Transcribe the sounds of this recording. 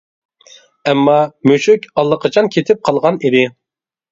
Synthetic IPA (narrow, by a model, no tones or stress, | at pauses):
ɛmːɑmøʃykʲɑlˠːəqʰɑt͡ʃʰɑnkʲʰet̪ʰɪp̚qʰɑlˠʁɑnid̪ɪ